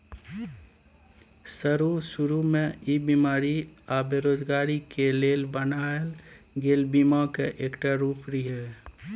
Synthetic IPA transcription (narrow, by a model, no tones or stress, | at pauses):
səɾusʊɾumẽibimaːɾiabeɾoːd͡ʒɡaːɾikeleːlbənaelɡeːlbimakeʔeːkʈaɾuːpʰɾiɦɛ